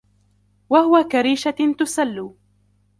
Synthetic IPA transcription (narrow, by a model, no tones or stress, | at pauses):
wahʊwakaɾiːʃat̪ʊsalːuː